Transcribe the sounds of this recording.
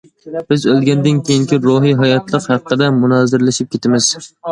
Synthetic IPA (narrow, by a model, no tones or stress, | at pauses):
b̥ɪzølˠɡʲɛnd̪ɪnkʲʰejiŋkʲʰiɾoɦiɦɑjɑt̪ʰlˠəqhɑqʰːəd̪ɛmunɑːzɪɾlɪʃɪp̚kʲʰet̪ʰɪmɪz̥